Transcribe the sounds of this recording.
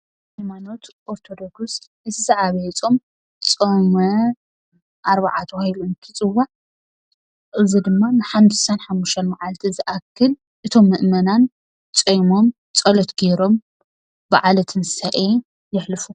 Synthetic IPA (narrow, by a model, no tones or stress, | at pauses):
hajmano̞t̪ʔoɾt̪ʰo̞d̪o̞ɡs | ɨzʰɨzɨʕaβɐjt͡sʼom | t͡sʼomɐ | ʔaɾβaʕat̪ʰɐwahiluɨnt̪ʰɨt͡sʼɨwːaʕ | ʔɨzid̪ɨmːanɨħamssanħamːuʃt̪ʰɐnmaʕalt̪ʰizɨʔakʰːɨl | ʔɨt̪ʰo̞mːɨʔmɐnan | t͡sʼɐjmo̞m | t͡sʼɐlot̪ɡeɾo̞m | baʕalɐt̪ʰɨnsɐʔe | jɪħlɨfu